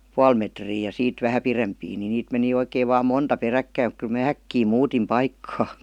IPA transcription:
puɑl metriː jɑ siːt ʋæhæ pirempiː ni niːt meni oikeːʋ ʋɑːm montɑ perækːæim mŭk kyl mæː ækːiː muːtim pɑikːɑː

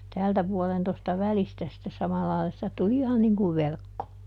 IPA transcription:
tæːltæ puɔlen tostɑ ʋælistæ sĭtːe sɑmɑlːɑilɑ sitæ tuli ihɑn niŋ kuʋ ʋerkːo

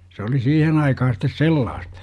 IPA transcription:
se oli siːhen ɑikɑhɑ sitˑes selːɑːst

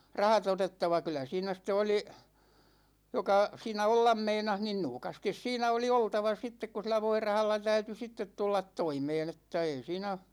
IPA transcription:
rɑhɑt otetːɑʋɑ kylæ siːnæ ste oli jokɑ siːnæ olːɑm meinɑh nin nuːkɑstis siːnæ oli oltɑʋɑ sitːek ku silˑæ ʋoirɑhɑlːɑ tæyty sitːet tulːɑt toimeːn etːæ ei siːnæ

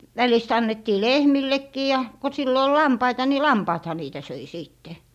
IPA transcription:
ʋælist ɑnːetːiː lehmilːekːiː jɑ ko silːo ol lɑmpɑitɑ ni lɑmpɑːthɑ niːtæ søi siˑtːe

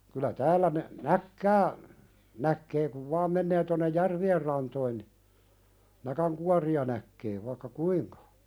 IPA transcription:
kylæ tæːlːæ ne nækːæː nækːeː kuʋ ʋɑːm menːeː tonːej jærʋier rɑntoin ni nækæŋkuɑriɑ nækːeː ʋɑĭkːɑ kuiŋkɑ

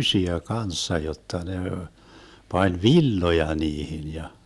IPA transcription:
ysiæ kɑnsːɑ jotːɑ ne pɑnʲ ʋilːojɑ niːhin jɑ

